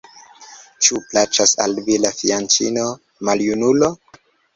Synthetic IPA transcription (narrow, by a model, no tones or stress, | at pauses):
t͡ʃuplat͡ʃasa̰lvilafiant͡ʃḭno | maljunulo